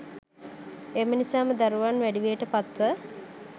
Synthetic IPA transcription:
emənisaːməd̪aɾuʋanʋæɖiʋejəʈəpat̪ʋə

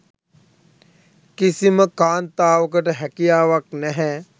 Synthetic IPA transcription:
kisiməkaːnt̪aːʋək̬əʈəɦɛkijaːʋaknɛɦɛː

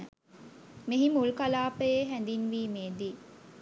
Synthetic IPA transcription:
ə | meɦimulkalaːpəjeɦænd̪inʋiːmeːd̪i

